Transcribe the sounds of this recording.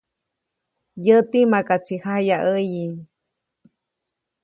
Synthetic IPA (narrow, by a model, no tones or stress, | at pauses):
jət̪imakat͡sʰihajaʔəji